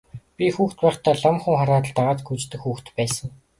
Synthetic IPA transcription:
pʲixuːxt̪̚pæːχt̪ʰaːɮamχŭŋχaɾaːt̪ə̆ɮt̪aʁaːt̪ɡut͡ɕt̪ɘ̆kxːuːxt̪pæːsə̆ŋ

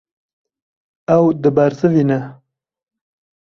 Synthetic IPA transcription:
awd̪əbaɾzəvina

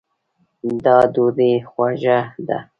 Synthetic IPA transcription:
d̪ɑd̪uɾixwaʒad̪a̰

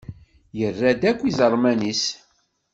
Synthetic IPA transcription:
jərːæd̪ækʷːizəɾˤmænis

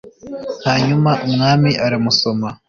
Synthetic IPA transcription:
haːɲumaʔumŋaːmiʔaɾamuso̞ma

